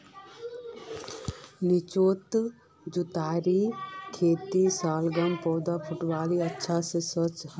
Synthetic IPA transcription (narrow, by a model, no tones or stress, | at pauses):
nit͡ʃoːt̪ | d͡ʒut̪aːɾikʰeːt̪isaːlɡəmpɔːd̪apʰʊʈbaːliətːʃʰasesət͡ʃɦ